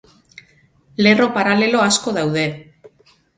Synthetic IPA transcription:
le̞ro̞paɾale̞lo̞asko̞ðawðe̞

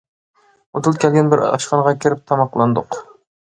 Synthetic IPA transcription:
ot̪ʰɨlˠɨp̚ʲkʲʰɛlɡʲɛnbɪɾɑ̰ʃqɑnʁɑkʲʰeɾɪp̚t̪ʰɑmɑqlˠɑnd̪ʊq

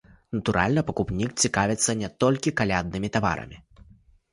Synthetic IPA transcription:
nɐt̪uɾʔa̰lʲnɐpɐkupnʲik̚t͡sʲikavʲɛt̪sːɐnʲɛt̪ɔlʲkʲikalʲad̪̚nɨmʲit̪ava̰ɾɐ̰mʲi

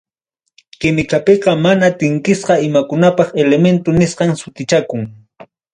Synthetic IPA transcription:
kɪmɪkapeqɑmanat̪ɪŋkɪsqɑɪmakʊnapɑχelement̪ʊnɪsqɑŋsʊt̪ɪt͡ʃakʊŋ

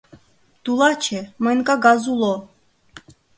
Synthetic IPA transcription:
t̪ulˠɑt͡ɕʰemɤnkaɡɑzulˠo

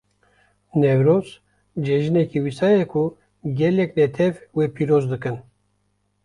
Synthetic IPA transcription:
nɛvɾoz | d͡ʒɛʒɨnɛkiwisɑːjɛkʰu | ɡʲɛlɛknɛt̪ʰɛvweːpʰiɾoːzd̪ɨkɨn

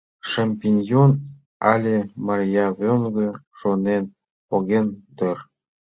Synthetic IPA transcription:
ʃamʲpʲinʲjon | ɑlʲemɑrʲjɑβønɡə̆ʃonen | poɣent̪ər

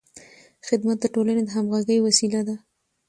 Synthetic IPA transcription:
xɪd̪mat̪̚d̪əʈolaned̪əɦamɣaɡəjwasilad̪a

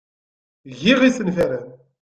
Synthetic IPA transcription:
ʝiʁisənfæɾæn

